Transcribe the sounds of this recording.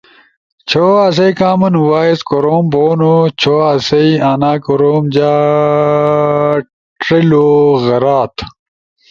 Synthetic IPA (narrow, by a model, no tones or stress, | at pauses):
t͡ɕʰoɐs̬ɐjkaːmɐnwaːizkoɾoːmboːnot͡ɕʰoːɐːsɐiaːnaːkoɾoːmd͡ʑaː | ʈɾiloɣɐɾaːt̪